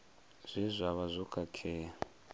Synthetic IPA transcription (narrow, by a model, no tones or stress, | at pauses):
z̥ʷizʷaβazʷɔkʼʰakʰɛːa